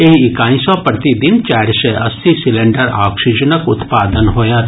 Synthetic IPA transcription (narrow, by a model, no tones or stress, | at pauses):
eɦiɪkaːĩsɔpɾət̪id̪ɪnt͡ʃaːɾʃɛʔɐst̪ʰisɪlẽɳɖəɾaːkʃid͡ʒənəkʊt̪paːd̪ənɦoːjat̪